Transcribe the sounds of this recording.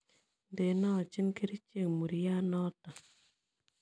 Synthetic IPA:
nde˨nɔ˦˨t͡ʃi˦nke˦ɾi˦t͡ʃe˦˨ŋmu˨ɾi˨ja˦nɔ˦ta˨

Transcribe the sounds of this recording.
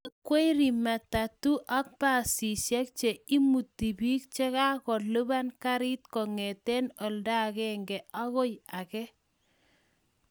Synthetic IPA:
kwe˦ɾi˨ma˨ta˨tu˦ʔa˦k̚pa˨si˨ʃɛ˦k̚t͡ʃe˨i˦mu˨tːi˨bi˦k̚t͡ʃe˦ka˦kɔ˨lo˦ba˦nka˦ɾɪ˦t̚kɔ˨ŋɛ˨tɛ˦nɔ˨lda˦kɛ˦ŋɡɛ˨a˦ɣo˦ja˨kɛ˦

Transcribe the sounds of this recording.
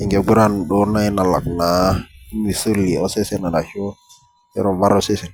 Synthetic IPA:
i˨ŋɡe˨ɡu˦ɾa˦nɗo˦na˦i˦na˨la̰˨k̚na˨i˦mi˨so˦li˨o˦se˦se˦na˨ɗa˨ʃo˦ | ɛ̰˦ɾo˨ba˦ɾo˦se˦se˨n

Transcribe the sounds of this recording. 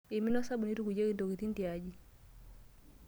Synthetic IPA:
i˨mi˦no˦sa˦bu˨ni˦tu˦ku˨ɟe˦ki˦to˨ki˨ti˦nti˨aɟi˦

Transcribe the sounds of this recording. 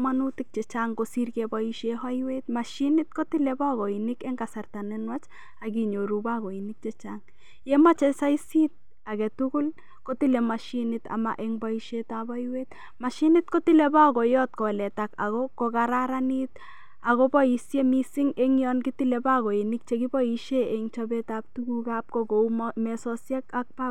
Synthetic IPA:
manutik̚t͡ʃɛ˨t͡ʃaŋkosi˦rkɛbɔiʃeha˦jwe˦t̚ma˨ʃinɪt̚ko˦ti˦lɛ˦ba˦ɣo˨inikɛ˦ŋɡa˨sa˨rta˨nɛnwa˦t͡ʃ | a˨kiɲo˨ɾuba˦ɣo˨i˨nɪk̚t͡ʃɛ˦t͡ʃaŋ | jɛmat͡ʃɛ˦sa˦isi˦t̚ | a˨kɛ˨tuku˦l | ko˦ti˦lɛ˨ma˨ʃinɪta̰˨ma̰ʔeŋbɔ˦iʃetaba˦jwet̚ | ma˨ʃi˦nit̚ko˦ti˦lɛ˦ba˦kɔ˨jɔt̚kɔ˨lɛ˨taka̰˨ɣɔko˨kaɾaɾani˦t̚ | a˨ɣɔbɔ˦jisjemi˦siŋe˦ŋjɔnkiti˦lɛba˦ɣɔ˨i˨nik̚t͡ʃekibɔ˦i˦ʃeeŋt͡ʃɔbɛtap̚tukuka˦p̚koko˨ummɛsɔsjɛ˦kak̚pa˦

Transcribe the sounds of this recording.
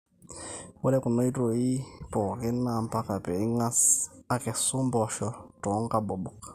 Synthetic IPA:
wɔ˦lɛ˦ku˨no˦i˦to˨i˦pɔ˨kɛ˦na˦˨m˦pa˦ka˨pɛ˨i˦ŋa˦sa˦kɛ˨su˦mbɔ˨ʃɔ˦tɔ˨˦ŋ˦ka˦ɓɔ˨ɓɔ˨k

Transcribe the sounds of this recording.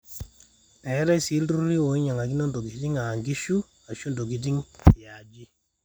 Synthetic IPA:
ɛ˨˦ɾa˦si˨˦lɾu˦ɾi˦o˨i˦ɲa˨ŋa˨ɡi˦nɔ˦ndo˨ɡi˨ti˦ŋa˨ŋɡi˦ʃu˦ | a˨ʃu˦ndo˨ɡi˨t̬i˦ŋti˨ja˨d͡ʒi˦

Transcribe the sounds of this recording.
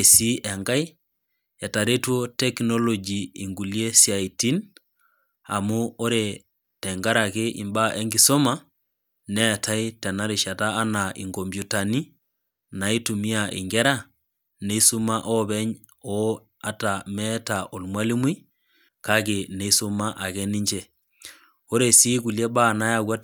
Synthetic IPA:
e˨si˦ɛ˨ŋɡa˦j | ɛ˨ta˨ɾe˦tu˦o˦tɛ˦kno˦lo˨d͡ʒi˨i˨ŋɡu˨lje˦sia˨iti˦n | a̰˨mu˦o˦ɾe˨ | tɛ˨ŋɡa˦ɾa˨ke˦ʔi˨mba˦ʔe˦ŋɡi˨so˦ma | nɛ˦˨tʰa˦jtɛ˨na˦ɾi˨ʃa˨taː˦nai˨ŋɡo˨mbju˨ta˨ni˦ | na˨i˦tu˨mi˦a˨ʔḭ˨ŋɡɛ˦ɾa˦ | ne˦i˦su˦ma˦ʔɔ˦bɛ˦ɲ | ɔ | a˨ta˨mɛ˦ta˨ʔo˨lmwa˦li˦mwi˦ | ka˦ke˨ne˦so˦ma˦ʔa˨kɛ˦ni˦ɲd͡ʒɛ˦ | o˦ɾe˨siː˦ku˨lje˦ba˦na˦ja˨ɡwa˦t̚

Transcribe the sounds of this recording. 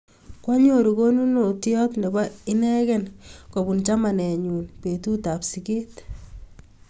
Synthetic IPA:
kwa˦ɲo˦ɾu˨ɡo˦nu˦no˨tjɔ˦tnɛ˨ba˦ɪ˦nɛ˦kɛnko˨bu˨nt͡ʃa˦ma˨nɛ˨ɲu˨npe˨tu˦ta˨psi˨keː˦t

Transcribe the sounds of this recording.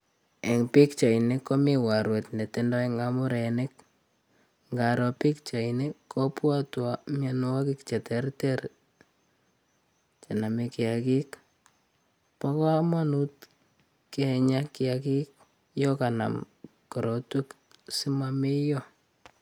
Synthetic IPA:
e˨ŋpi˦kt͡ʃa˨ine˦kɔ˦mi˦wa˨ɾwe˨tne˨tendɔ˦i˦ŋamʊ˦ɾenɪk̚ | ŋɡa˨ɾɔ˨pi˦kt͡ʃa˨inekːɔ˦pwa˦twamjan˦wa˦ki˦kt͡ʃɛ˨tɛrteɾ | t͡ʃe˨na˨mekɪ˨a˨ki˦k | pa˦kɔ˦ma˦nu˦t̚ | keɲa˦kɪaki˦k̚ | jɔ˦ka˨na̰˨m | kɔ˨ɾɔ˨tu˦k | si˦mame˦jɔ˦

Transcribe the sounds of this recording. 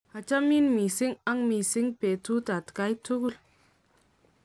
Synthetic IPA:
a˨t͡ʃa˦mi˦nmi˨si˦ŋa˦ŋmi˨si˦ŋpe˨tu˦ta˨tka˦jtu˦ɡu˦l

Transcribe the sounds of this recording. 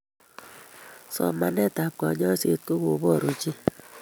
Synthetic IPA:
sɔ̰˨ma˨nɛ˦˨ta˨kɔ˨ɲɔ˦se˦to˦ɣo˨βɔ˦˨ɾo˨d͡ʒi˦

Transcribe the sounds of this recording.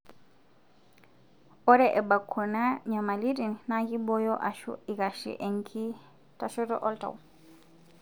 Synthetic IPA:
ɔ˦ɾɛʔɛ˨ba˨kʰːɔ˨na˦ɲa˨ma˨li˦di˨nna˦ɡi˦bɔ˦jɔ˦ʔa˨ʃṵ˦i˨ɡa˨ʃḭ˨ʔɛ˨ŋkʰi˦ | taʃɔ˦tɔ̰˦ʔɔ˦lta̰˨w

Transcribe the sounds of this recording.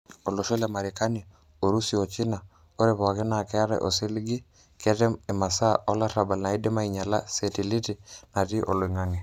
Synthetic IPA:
o˨lo˨ʃo˦la˨ma˨ɾi˨ka˦na˨ | o˨ɾu˦si˨o˨t͡ʃi˦na˨ | o˦ɾɛ˦˨βɔ˨a˨kɛ˦na˨kɛ˦a˦ɾɛ̰˦ʔo˨si˦li˦ɡi˦ | kɛ˦tɛ˦me˨ma˨sa˦ɔ˦la˦ɾa˨ba˨lna˨i˦dɛ˦ma˦i˨ɲa˨la˦sɛ˨ti˨li˦ti˨na˨ti˦ʔo̰˨lo˨i˨ŋa˦ŋi˨

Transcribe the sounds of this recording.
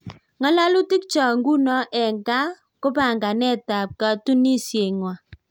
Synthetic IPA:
ŋɔ˦la˦lu˦ti˦k̚t͡ʃɔ˨ŋɡu˦nɔ˦ʔɛ˨ŋɡa˦ | ko˦pa˨ŋɡa˨nɛ˦ta˨p̚ka˦tu˦ni˦sje˨ŋwa˨

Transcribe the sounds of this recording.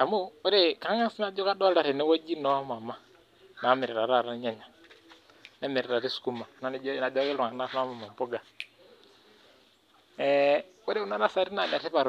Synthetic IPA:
a˨mo˦a˦ɾe˦ka˨˦ŋa˦sna˦d͡ʒo˦ka˦dɔ˦lda˨ɾe˨nɛ˦wa˦d͡ʒi˦nɔ˦ma˨ma˦ | na˨˦mɪ˨ɾɾa˨ɾa˦˨ɾa˦ɲa˦ɲa˨ | na˦mɪ˨ɾɾa˨ɾi˦sku˦ma˨na˦n˦d͡ʒna˨d͡ʒɔ˦ki˦lu˨ŋa˨na˦na˦ma˨ma˨m˨pu˦ɡa˨ | ɛ˨wa˦ɾe˦u˦na˦na˦sa˨ɾi˦na˨da˨ɾi˦pa˨ɾ

